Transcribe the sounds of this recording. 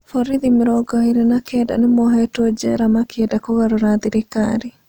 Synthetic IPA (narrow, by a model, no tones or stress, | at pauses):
fɔɾiðimɪɾɔɡɔhiɾɛnakɛda̰nemɔɦɔɛtwɔd͡ʒɛɾamakɛdakoɣaɾonaðiɾekaɾi